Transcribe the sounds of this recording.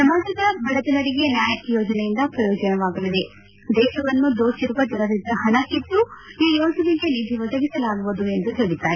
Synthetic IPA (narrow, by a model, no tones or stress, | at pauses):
sɐmaːd͡ʒikɐɐbʱɐɽɐt̪ɐnɐɾiɡe̞njaːjɐjoːd͡ʒɐnɛjind̪ɐpɾɐjɔːd͡ʒɐnɐʋaːɡɐlid̪e | d̪ɛːʃɐʋɐnːud̪oːʃiɾuʋɐd͡ʒɐnɐɾid̪ɐɦɐnɐkit̪ːuiːjoːsɐniɡenib̪ʱiʋɐd̪ɐɡisɐlaːɡuʋud̪ue̞nd̪uɦeːɭit̪aːji